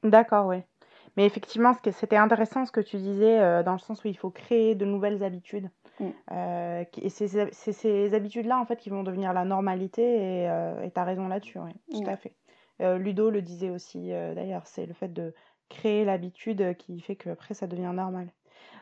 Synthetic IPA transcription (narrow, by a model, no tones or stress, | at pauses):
d̪akɔʁwɛ | mɛefɛkt̪ivmɑ̃sə̥kʲeset̪ɛɛ̃t̪eʁesɑ̃sə̥kət̪ʰyd̪izɛød̪ɑ̃ləsɑ̃suilfokχeːd̪ənuvɛlzabit̪ʰyd̪ | økʲḛsezsɛsezabit̪yd̪laɑ̃fɛt̪kʲivɔ̃d̪əvniʁlanɔʁmalit̪eeøḛt̪aʁezɔ̃lad̪əsy̰wɛt̪ut̪afɛ | ølyd̪oləd̪izɛosḭød̪a̰jœːʁsɛ̰ləfɛt̪̚d̪ə | kχeːlabit̪ʰyd̪økʲifɛkʰəapχɛsad̪əvjɛ̃nɔʁmal